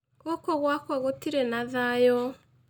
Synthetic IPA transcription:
okɔɣwakwaɣotiɾenaðajɔ

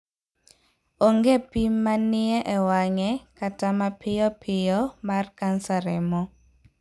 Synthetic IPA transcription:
oŋɡepimːanɪɛʔɛwaŋɛkatamapʰɪjɔpʰɪjɔmarkansaɾɛmɔ

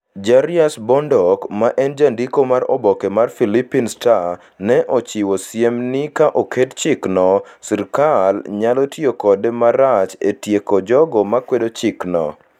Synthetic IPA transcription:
d͡ʒaɾiasbɔndɔkmaʔɛnd͡ʒandikomaɾɔbɔkɛmarfilipinsta | nɛʔot͡ʃiwosjemnɪkaʔokett͡ʃɪknɔsiɾkalɲalotiokɔdemaɾat͡ʃetjekod͡ʒɔɡɔmakwedot͡ʃiknɔ̰

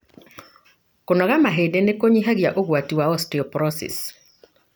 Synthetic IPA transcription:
kɔnɔɣamaɦedenekoɲiɦaɡjaʔoɡwatiwaɔstiɔpɾɔsɛ̰s

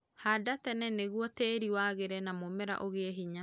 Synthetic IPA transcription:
hadatɛnɛneɣwɔteɾiwaɣeɾɛnamomɛɾa̰ʔoɣeɛɦiɲa

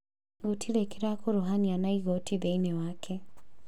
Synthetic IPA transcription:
ɣotʰilekeɾakoɾoɦanianaiɣotʰiðeinewaːkʰe

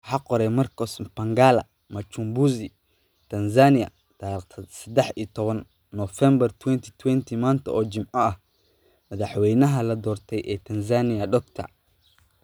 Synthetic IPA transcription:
ħɑqɔɾɛmɐrkʰɔsbɐŋɡaːlɐ̰ | mɐt͡ʃumbuːsi | t̪ʰɐnsaːnɪjɐ̰ | t̪ʰat̪ʰɐsɐd̪ɛħḭːt̪ʰɔβɐnː | ɔfɛmbɐrt̪ʰwɛnt̪ʰi̥t̪ʰwɛnt̪ʰimaːnt̪ʰɐ̰ɔːt͡ʃɪmʕɔɐh | mɐðɑħwɛjnɐɦɐlɐd̪ɔːrt̪ʰɛjʔɛːt̪ʰɐnsaːnɪjɐɖɔkt̪ʰɐ̰

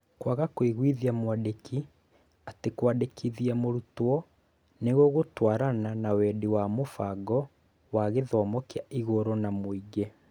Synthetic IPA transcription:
kwaɣakweɣwiðiamwadekʰi | atekwadekʰiðiamoɾutoɔ | neɣoɣotwaːɾananawɛdewamofaɡɔ | waɣeðɔːmɔkeaiɣoɾɔnamoiɡe

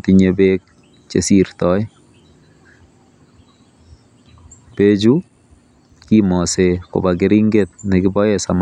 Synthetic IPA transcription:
tiɲebek̚ | t͡ʃḛsirtɔj | ped͡ʒu | kimɔseko̰bakeɾiŋɡet̪̚nɪkibɔjɛsam

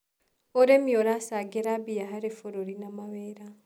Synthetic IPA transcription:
oɾemioɾasaɡeɾabijaɦaɾefoɾoɾinamaβeɾa

